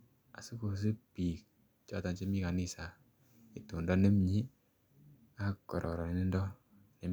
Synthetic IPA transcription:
a̰˨su˦ko˨s̬e˦pi˨k̚ | t͡ʃɔ˦ta˨nt͡ʃi˦mi˦ka˨ni˦sa˨ | i˨to˨ndɔ˦ne˦mɲi˦ | a˦kkːɔ˨ɾʔɔ̰˨ɾɔ˨ni˨ni˦ndɔ˦ | ne˨

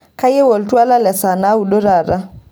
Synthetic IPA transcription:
ka˦je˦wo˨ltwa˦la˦lɛ˨sa˨na˦u˨ɗo˦ɾa˦˨ɾa˦

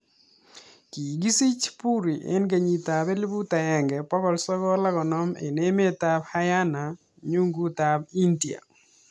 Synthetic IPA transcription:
ki˨ɡi˦si˦t͡ʃpu˦ɾi˨ʔḛ˦nɡe˨ɲi˨ta˨be˦li˦bu˦ta˨ɛ˨ŋɡɛ˨pɔ˦kɔ˦lsɔ˦kɔ˦la˦ɡɔ˨nɔ˦mḛ˨ne˦me˦ta˦bha˦ja˦na˨ | ɲu˦ŋɡu˦ta˨b̚i˦ndi˨a̰˨

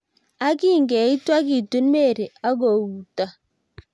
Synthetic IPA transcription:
a˦ki˦ŋɡɛ˨i˦twa˦ki˨tu˦nme˦˨ɾe˨a˦ɡo˨wu˨ta˨

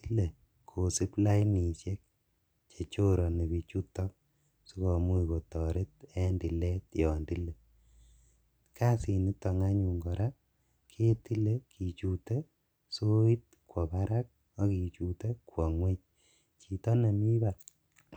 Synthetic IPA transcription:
ti˦le˨ | kʰo˨si˦pla˦i˦ni˨sje˦k̚ | t͡ʃe˨t͡ʃo˦ɾɔ˨ni˨bi˨t͡ʃu˦tɔ˦k̚ | si˦kɔ˨mu˦i˨ko˨tɔ˨ɾe˦t̚ɛ˦ndi˨le˦tjɔ˨ndi˦le˨ | kʰa˦si˨ni˦tɔ˨ŋa˦ɲu˨ŋɡɔ˨ɾa˦ | kʰe˦ti˦le˦kʰi˨t͡ʃu˨te˦ | so˦i˦t̚ | kwɔ˨ba˦ɾa˦k̚ | ɔ˦ki˨t͡ʃu˨te˦kwɔ˨ŋwe˦t͡ʃ̚ | t͡ʃi˨tɔ˦ne˨mi˦ba˨t

